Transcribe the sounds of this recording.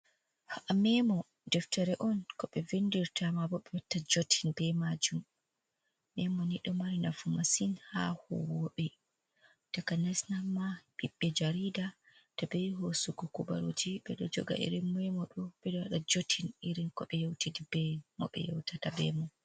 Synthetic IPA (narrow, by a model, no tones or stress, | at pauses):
haʔamɛmɔ | dɛftaɾɛʔɔnkɔɓɛvendiɾtamabɔɓɛwatːad͡ʒotʰinbɛmad͡ʒumː | ɛmɔniɗɔmaɾinafumasinha̰hɔ̰wɔɓɛ | d̥akanɛsnamaɓiɓːɛd͡ʒaɾida | tabɛjɦosuɡɔkuba̰ɾo̰d͡ʒiɓɛɗɔd͡ʒɔ̰ɡa̰ʔḭɾinmɛmɔɗɔɓɛɗɔwaɗad͡ʒotʰiniɾinkɔɓɛjowtidibɛmɔ̰ɓɛ̰jɔ̰wtatabɛ̰mɔ